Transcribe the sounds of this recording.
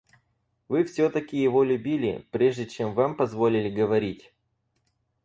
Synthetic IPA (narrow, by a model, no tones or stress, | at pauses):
vɨfsʲɵt̪əkʲɪjɪvo̞lʲʉbʲilʲɪ̰pɾʲe̞ʐdʲɪt͡ɕe̞mvampɐzvo̞lʲɪlʲɪɡəvɐɾʲitʲ